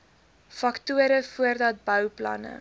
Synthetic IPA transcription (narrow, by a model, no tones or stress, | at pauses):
fɐktuəɾəfuərdɐt̚bœwplɐ̰nə̰